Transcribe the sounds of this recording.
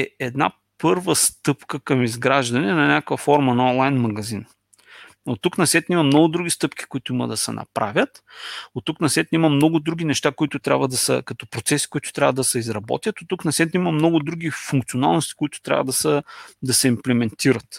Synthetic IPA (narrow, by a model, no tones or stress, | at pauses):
ɛɛd̪na̰ | pɤɾvəst̪ɤpkəkɐmizɡɾaʒd̪ɐnɛnɐnʲakvəfɔɾmɐnɐɔnlˠajnmɐɡɐzin | ot̪ːuknɐsɛt̪nimɐmnɔɡʊd̪ɾuɡ̟ist̪ɤpkʲi̥kʊit̪ʊimə̰d̪ɐsɛ̰nɐ̰pɾa̰vʲjət̪ot̪ːuknɐsɛt̪nʲimɐmnɔɡʊd̪ɾuɡ̟ʲinɛʃt̪akʊit̪ʊt̪ɾʲa̰bvəd̪ɐsə̰kɐt̪ɔpɾot̪sɛsi̥kʊit̪ʊ̥t̪ɾʲa̰vəd̪ɐsɛizɾɐbɔ̰t̪ʲjət̪ot̪ːuknɐsɛt̪ʲnʲimɐmnɔɡʊd̪ɾuɡʲifuŋk̚t̪sʲiona̰lˠnost̪i̥kʊit̪ʊ̥t̪ɾʲa̰vəd̪ɐsəd̪ɐsɛimplɛmɛnt̪ʰiɾət̪